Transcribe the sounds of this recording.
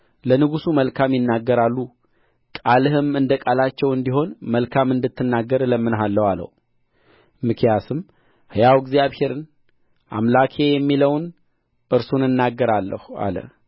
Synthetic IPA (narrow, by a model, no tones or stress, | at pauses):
lənɨɡusuməlkʰamjɪnːaɡːəɾalːu | kʼalɨhɨmɨnd̪əkʼalat͡ʃːɛwɨnd̪iɦo̞nməlkʰamɨnd̪ɨt̪ːɨnːaɡːəɾləmːɨnɦalːəwalə̰w | mɨkʰjasɨm | hɨjawɡzijaβhe̞ɾɨn | ʔa̰mlakʰe̞jɛmːiləwn | ʔɨɾsunɨnːaɡːəɾalːə̰hua̰lə̰